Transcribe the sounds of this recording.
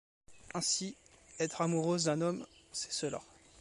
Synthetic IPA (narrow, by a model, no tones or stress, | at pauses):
ɛ̃siɛt̪χamuʁøzd̪ɛ̃nɔmsɛ̥səla̰